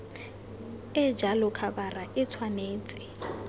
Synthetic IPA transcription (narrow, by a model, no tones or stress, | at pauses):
ɪd͡ʒalʊkʰabaraʔɪt͡sʰwaneːt͡sʼɪ̥